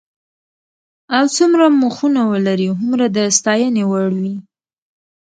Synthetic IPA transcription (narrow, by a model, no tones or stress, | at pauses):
awt͡sumɾamuxunawəlaɾiɦʊmɾad̪əst̪ɑjənewaɽwi